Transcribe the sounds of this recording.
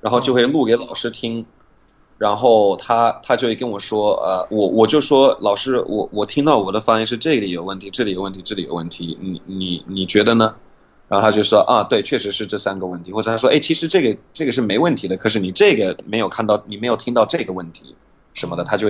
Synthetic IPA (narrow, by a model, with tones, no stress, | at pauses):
ɻa˧˥nxo˥˧ʊt͡ɕjo˥˧ʊxwe˥˩ɪlu˥˩ke˧˥ɪlɑ˨˩ʊʂɻ̩˥t̪ʰi˥ŋ | ɻa˧˥nxo˥˩ʊt̪ʰa˥t̪ʰa˥t͡ɕjo˥˧ʊxwe˥˩kə˥nwɔ˨˩ʂwɔ˥ə̰˧wɔ˧˩wɔ˨˩t͡ɕjo˥˩ʊʂwɔ˥lɑ˨˩ʊʂɻ̩˥wʔɔ̰˧˩wɔ˨˩t̪ʰi˥ŋt̪ɑ˥˩ʊwɔ˨˩d̪ə˦fa˥ŋɛ˥˧nʂɻ̩˥˧ʈ͡ʂɤ˥˩ɡə˩li˨˥jo˨˩ʊwə˥˩nt̪ʰi˧˥ʈ͡ʂɤ˥˩li˨˥jʊwə˥˩nt̪ʰi˧˥ʈ͡ʂɤ˥˩li˨˥jo̰˨˩ʊwə̰˥˩nt̪ʰi˧˥ni˧˥ni˨˥ni˨˩t͡ɕɥɛ˧˥d̪ə˧nə˧ | ɻa˧˥xt̪ʰa˥t͡ɕjo˥˧ʊ˥˩ʂwɔ˥ʔɐ˥˧t̪we˥˩ɪt͡ɕʰɥɛ˥˩ʂɻ̩˧˥ʂɻ̩˥˧ʈ͡ʂɤ˥˩sa˥nɡə˨wə˥˩nt̪ʰi˧˥xwɔ˥˩ʈ͡ʂɤ˨˩t̪ʰa˥ʂwɔ˥ʔe˥˩ɪt͡ɕʰi˧˥ʂɻ̩˧˥ʈ͡ʂɤ˥˩ɡə˩ʈ͡ʂɤ˥˩ɡə˩ʂɻ̩˥˩me˧˥ɪwə˥˩nt̪ʰi˧˥d̪ə˧kʰɤ˨˩ʂɻ̩˥˩ni˨˩ʈ͡ʂɤ˥˩ɡə˩me˧˥ɪjo˨˩ʊkʰa˥˧nt̪ɑ˥˩ʊni˨˩me˧˥ɪjʊi˥ŋt̪ɑ˥˧ʊʈ͡ʂɤ˥˩ɡə˩wə˥˩nt̪ʰḭ˧˥ | ʂə˧˥nmə˧d̪ə˨t̪ʰa˥t͡ɕjo˥˧